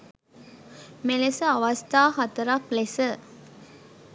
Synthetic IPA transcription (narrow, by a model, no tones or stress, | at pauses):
melesəɐʋɐst̪ʰaːɦɐt̪ɐɾɐklesə